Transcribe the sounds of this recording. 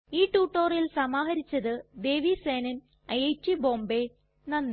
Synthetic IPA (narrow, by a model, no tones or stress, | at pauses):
iːʈːuːʈːoːrjilsɐmaːɦɐɾit͡ɕːɐðɨd̪e̞ːʋiseːnɐn | ɐjejt͡ɕːibo̞ːmbe | nɐnː